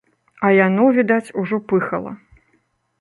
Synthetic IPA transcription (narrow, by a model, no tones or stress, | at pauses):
ɐjanɔvʲid̪at͡sʲuʐɔpɨxɐlˠɐ̰